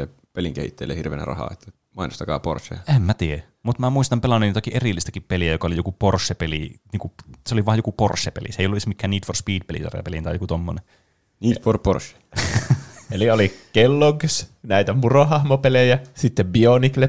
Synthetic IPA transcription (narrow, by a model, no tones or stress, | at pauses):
e | peliŋkḛhḭt̪ːḛlḛhirʋḛn̰rɑ̰hɑ̰ḛt̪ʰːæ̥ | mɑˑinost̪ɑkɑ̰ːpo̰rsḛɑemmæt̪ie | mut̪mæmuist̪ɑmpelɑnonit̪ɑkiʔerilːˑist̪ækippeliæjokɑolijokuporsːepeliniːkuseoliʋɑˑijjokupo̰rsːepḛlḭseˑijolːˑuˑʔismikːæːniːt̪forspiːd̪̚pelḭsɑ̰rj̰ɑ̰pelinɑ̰ˑjokut̪omːone | niːt̪forporsˑe̥ | eliolikelːoŋksnæit̪æmurohɑhmopelejæsit̪ːebbionikle